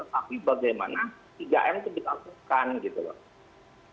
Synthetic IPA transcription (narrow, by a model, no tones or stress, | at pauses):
t̪ət̪apibaɡajma̰nat̪iɡa̰ʔɛmt̪ʊhdik̪amsukanɡit̪ulɔ̰